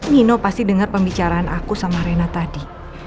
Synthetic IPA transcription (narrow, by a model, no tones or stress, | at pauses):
ɲinopast̪idəŋarpəmbit͡ʃaɾaanakusamaɾenat̪adi